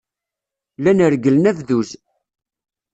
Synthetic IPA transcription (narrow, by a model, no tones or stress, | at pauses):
lænəɾɡələnævðuz